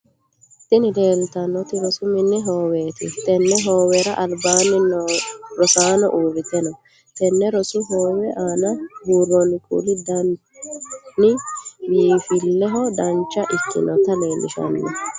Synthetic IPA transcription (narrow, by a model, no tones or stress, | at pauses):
t̪ːɪnɪd̪e̞ːlt̪ɐnːɔt̪ɪɾɔsʊmɪnːɛɦoːweːt̪ɪt̪ɛnːɛɦo̞ːwɛɾɐʔɐlbaːnɪnɾɔsaːnɔʔuːrɪt̪ɛnɔ | t̪ɛnːɛɾɔsʊɦoːwɛʔaːnɐbuːrːɔnɪkʼṵlɪd̪ɐn | nɪjiːfɪlːɛɦɔd̪ɐnt͡ʃːɐʔɪkːɪ̰nɔt̪ːɐleːmːɪʃɐ̰nːɛ